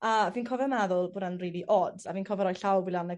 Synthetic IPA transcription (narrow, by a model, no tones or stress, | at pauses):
aviːnkʰɔvɛrmɛðʊlˠboːdanriːlˠiʔɔdzaviːnkʰɔvɛɾɔjɬawbilanə